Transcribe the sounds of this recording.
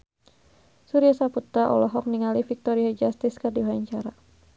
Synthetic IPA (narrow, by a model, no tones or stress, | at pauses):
suɾiasaput̪aʔɔ̰lɔɦɔk̚niŋalifik̚t̪ɔɾiad͡ʒast̪ɪskardiwaaɲt͡ʃaɾa